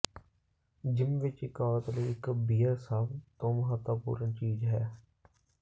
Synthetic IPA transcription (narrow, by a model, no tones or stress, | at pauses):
d͡ʒɪmʋɪt͡ʃɪkaːɾət̪əliɪkbiːəɾsaːbt̪oːmʊɦət̪ːəpṵːɾənt͡ʃiːzɦɛː